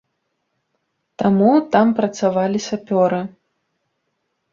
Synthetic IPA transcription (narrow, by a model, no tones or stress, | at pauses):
t̪amut̪ampɾɐt̪savalʲisʲapʲɔɾɨ